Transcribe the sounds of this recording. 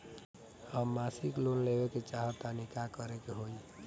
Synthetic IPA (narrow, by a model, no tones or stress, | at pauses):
həmːasiklunlebeket͡ʃaɦət̪anikakəɾekeɦoi